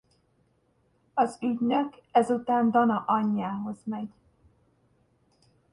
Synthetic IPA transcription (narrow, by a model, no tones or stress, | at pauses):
ɒzyɟnøkɛzut̪aːnd̪ɒnɒʔɒɲːaːɦo̞zmɛɟ